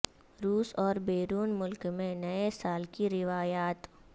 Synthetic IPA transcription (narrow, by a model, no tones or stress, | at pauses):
ɾuːsɔːɾbeːɾuːnmʊlkmẽnɐesaːlkiɾɪʋaːjaːt̪